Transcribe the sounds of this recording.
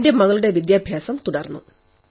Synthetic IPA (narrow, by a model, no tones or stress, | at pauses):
nde̞mɐɣɐɭuɽe̞ʋid̪jaːbʱjaːsɐmt̪uɽɐrnːu